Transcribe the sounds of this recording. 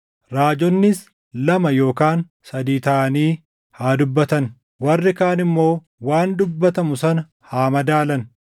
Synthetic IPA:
ɾaːd͡ʒɔnːɪs | lɐmɐjo̞ːkaːn | sɐd̪iːt̪ɐʔɐniː | haːd̪ʊbːɐt̪ɐn | wɐrːɪkaːnɪmːo̞ː | waːnd̪ʊbːɐt̪ɐmʊsɐnɐ | haːmɐd̪aːlɐn

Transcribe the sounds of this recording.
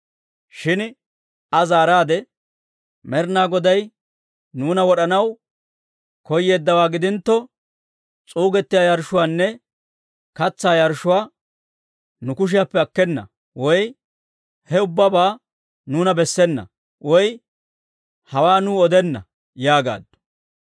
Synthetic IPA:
ʃɪn | ɐzaːɾaːd̪ɛ | mɛɾnaːɡɔd̪ɐj | nuːnɐwɔɗɐnɐw | kɔjːe̞ːd̪ːɐwaːɡɪd̪ɪnt̪ːɔ | t͡sʼuːɡɛt̪ːɪjaːjɐɾʃʊwaːnːɛ | kɐt͡sːaːjɐɾʃʊwaː | nʊkʊʃ̬ɪjapːɛɐkːɛnːɐ̰ | wɔj | hɛʊbːɐbaː | nuːnɐbɛsːɛnːɐ̰ | wɔj | hɐwaːnuːɔd̪ɛnːɐ̰ | jaːɡa̰ːd̪ːʊ̥

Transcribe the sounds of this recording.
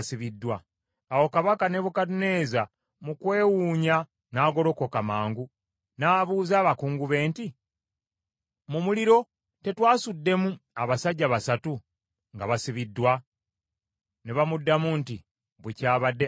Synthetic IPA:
siβidːwa | awo̞kaβakane̞βukatune̞ːza | mukwe̞ːwuːɲa | naːɡo̞ɾo̞ko̞kamaːŋɡu | naːβuːzaːβakuːŋɡuβe̞ːnti | mumuliɾo̞ | te̞twaːsudːe̞muaβasaɟːaβasatu | ŋɡaβasiβidːwa | neβamudːamunti | βwecaːβadːe

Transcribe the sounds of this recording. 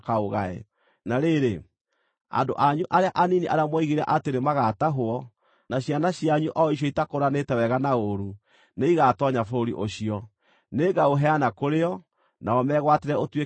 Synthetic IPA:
kaoɣaḛ | naɾeɾe | a̰ndoʔaɲuʔaɾeaʔaniniʔaɾamwɔiɣeɾa̰ʔateɾemaɣataɦoɔ | naɕjanaɕiaɲuʔɔiɕ̬ɔitakoɾanetɛwɛɣanaoɾu | neiɣatɔɲafoɾḭʔoɕiɔ | neːɡaoɦɛanakoɾeɔ | naɔmɛːɣwateɾɛotwe

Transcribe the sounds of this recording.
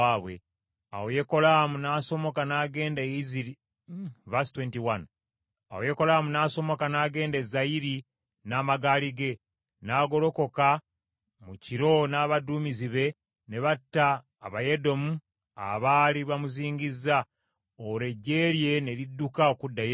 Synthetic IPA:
aːβwe̞̰ | awoje̞ko̞lamunaːso̞mo̞kanaːɡe̞ːndaizii | vastwentiwan | a̰woje̞ko̞lamunaːso̞mo̞kanaːɡe̞ːndezaiɾi | naːmaɡaːliɡe̞ | naːɡo̞lo̞ko̞ka | muciɾo̞naːβaduːmiziβe̞ | ne̞βatːaː | βaje̞do̞mu | a̰βaːliβamuziːɲɡizːa | oɾe̞ɟːe̞ɾje̞ne̞ɾidːukaokudːaje

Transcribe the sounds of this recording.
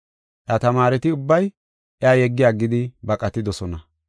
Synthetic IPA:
ʔjat̪ɐmaːɾɛt̪ɪʊbːɐj | ʔɛaːjɛɡːɪjaːɡɪd̪ɪbɐkʼɐt̪ːɪd̪ɔsɔnɐ

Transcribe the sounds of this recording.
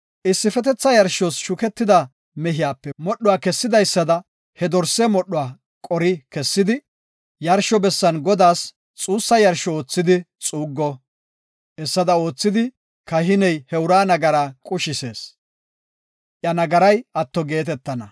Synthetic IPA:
ʔɪsːɪfɛt̪ɛt͡sːɐjɐɾʃɔsʃʊkɛt̪ːɪd̪ɐ | mɛɦɪjaːpːɛmɔɗːʊwaːkɛsːɪd̪ɐjsːɐd̪ɐ | hɛd̪ɔɾsːɛmɔɗːʊwaː | kʼɔɾɪkɛsːɪd̪ɪ | jɐɾʃɔbɛsːɐnɡɔd̪aːs | t͡sʼuːsːɐjɐɾʃɔoːt͡sːɪd̪ɪ | t͡sʼuːɡːɔ | ʔɛsːɐd̪ɐo̞ːt͡sːɪd̪ɪ | kɐhɪnɛjhɛʊɾaːnɐɡɐɾaːkʼʊʃɪseːs | ʔjɐnɐɡɐɾɐjʔɐt̪ːɔɡe̞ːt̪ɛt̪ːɐnɐ

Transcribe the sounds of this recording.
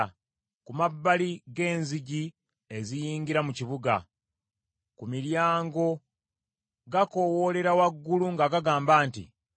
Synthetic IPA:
kumabːaliɡe̞ːnziɟi | e̞zijiːŋɡiɾamuciβuɡa̰ | kumiɾjaːŋɡo̞ | ɡako̞wo̞le̞ɾawaɡːuluŋɡaɡaɡaːmbaːntḭ

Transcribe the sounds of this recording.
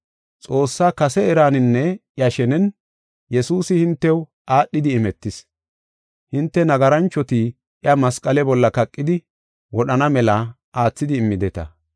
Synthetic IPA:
t͡sʼo̞ːsːaːkɐsɛɛɾaːnɪnːɛʔjɐʃɛnɛn | jɛsuːsɪhɪnt̪ːɛw | ʔaːɗːɪd̪ɪːmɛt̪ːɪs | hɪnt̪ːɛnɐɡɐɾɐnt͡ʃːɔt̪iː | ʔɪɐmɐskʼɐlɛbɔlːɐkɐkʼːɪd̪ɪ | wɔɗɐnɐmɛla | aːt͡sːɪd̪ɪːmːɪd̪ɛt̪ɐ̰

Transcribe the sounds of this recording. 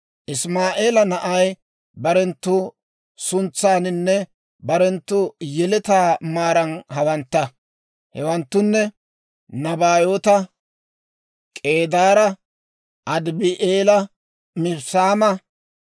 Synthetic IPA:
ʔɪsmaːʔe̞ːlɐnɐʔɐj | bɐɾɛnt̪ːʊ | sʊnt͡sːaːnɪnːɛ | bɐɾɛnt̪ːʊjɛlɛt̪aːmaːɾɐnɦɐwɐnt̪ːɐ | hɛwɐnt̪ːʊnːɛ | nɐbaːjoːt̪ɐ | kʼe̞ːd̪aːɾɐ | ʔɐd̪bɪʔeːlɐ | mɪɾsaːmɐ

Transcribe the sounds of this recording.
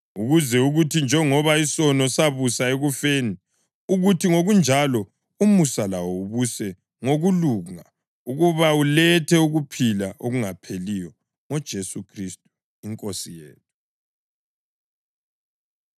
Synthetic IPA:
uɣuzɛuɣutʰind͡ʒʱɛŋɔβaisɔnɔsaβusaeɣufeːni | uɣutʰiŋoɣund͡ʒʱalɔ | umusalawɔuβusɛ | ŋoɣuluŋa | uɣuβaulɛtʰɛuɣupʰilaʔoɣuŋapʰelijɔ | ŋɔd̥ʒ̥ʱesukʰristʼu̥ | iŋkʼosijḛːtʰu̥

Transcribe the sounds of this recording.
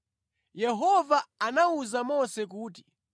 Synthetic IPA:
jɛɦɔvaanauzamɔsɛk̬uːt̬i̥

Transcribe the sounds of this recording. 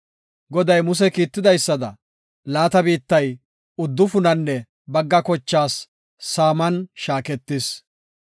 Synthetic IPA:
ɡɔd̪ɐjmʊs̬ɛkiːt̪ːɪd̪ɐjsːɐd̪ɐ̰ | laːt̪ɐbiːt̪ːɐj | ʊd̪ːʊfʊnɐnːɛ | bɐɡːɐkɔt͡ʃːaːsː | aːmɐnʃaːkɛt̪ːɪs

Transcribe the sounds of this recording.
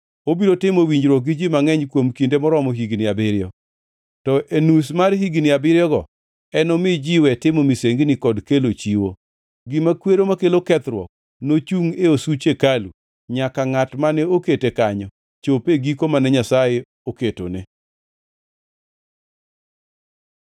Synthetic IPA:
obiɾotɪmowiɲd͡ʒɾɔɡɪd͡ʒimaŋɛɲkwomkindemɔɾɔmɔɦiɡnɪabɪɾjɔ | tɔʔenusmarɦiɡnɪabɪɾjɔɡɔ | ɛnɔmɪd͡ʒiwɛtɪmomiseŋɡnɪkɔdkelot͡ʃiwo | ɡɪmakweɾomakelokɛt̪ɾwɔ̰k̚ | not͡ʃuŋeosut͡ʃekalu | ɲakaŋatmanɛoketekaɲɔ | t͡ʃopeɡikomanɛɲasaje | oketo̰nɪ

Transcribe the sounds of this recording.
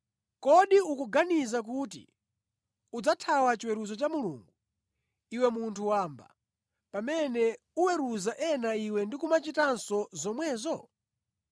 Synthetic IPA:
kɔɗiukuɡanizak̬uːtḭ | ud͡zatʰawat͡ʃiwɛɾuzɔt͡ʃamulṵːŋɡu | iwɛmuntʰuwaːmba̰ | pamɛnɛ | uwɛɾuzaʔɛnaiwɛndikumat͡ʃitansɔzɔmwɛːzɔ

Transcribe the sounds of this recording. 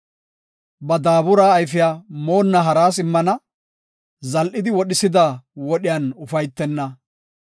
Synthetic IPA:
bɐd̪aːbʊɾaːjfɪjaːmo̞ːnːɐɦɐɾaːsɪmːɐnɐ | zɐlʔɪd̪ɪwɔɗɪsɪd̪awɔɗɪjɐnʊfɐjt̪ːɛnːɐ

